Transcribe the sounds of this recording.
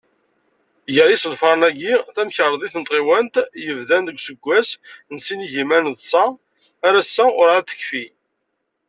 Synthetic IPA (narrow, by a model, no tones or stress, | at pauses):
jəɾisəlfɑɾˤnæɡiθæmçəɾˤəðˤiθənt̪ˤʁiwænt̪jəvðænðəɡʷsəɡʷːæsnsiniʝimænðˤsæː | ɾæsːæʊɾæt̪ə̥çfi